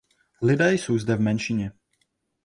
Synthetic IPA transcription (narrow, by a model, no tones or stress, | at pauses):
lɪdɛːjsowzdɛvmɛnʃiɲɛ